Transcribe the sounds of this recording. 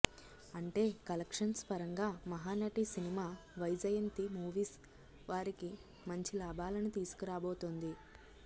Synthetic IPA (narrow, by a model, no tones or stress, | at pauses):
ɐɳʈe̞ːkɐlɐkʂɐnspɐɾɐŋɡaːmɐɦaːnɐʈisinimaːʋɐjd͡ʒɐjɐnt̪imuːʋiːs | ʋaːɾiki | mɐɲt͡ʃilaːbʱaːlɐnit̪iːsu̥kuɾaːboːt̪ond̪i